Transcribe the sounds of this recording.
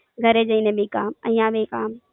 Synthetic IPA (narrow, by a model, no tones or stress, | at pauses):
ɡʱɐɾed͡ʒɐinẽbʱikaːmɐĩːãbʱikaːm